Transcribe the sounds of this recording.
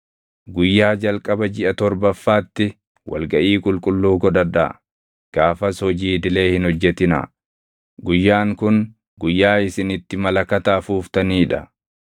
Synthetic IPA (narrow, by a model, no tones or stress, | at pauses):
ɡʊjːaːd͡ʒɐlkʼɐbɐd͡ʒɪʔɐt̪ɔɾbɐfːaːt̪ːɪ | wʔɐ̰lɡɐʔiːkʼʊlkʼʊlːuːɡɔd̪ɐd̪a̰ | ɡ̥aːfɐsɔd͡ʒiːd̪ɪle̞ːhɪnhɔd͡ʒːɛt̪ɪna̰ | ɡʊjːaːŋkʊn | ɡʊjːaːɪsɪnɪt̪ːɪmɐlɐkɐt̪aːfuːft̪ɐniːᶑɐ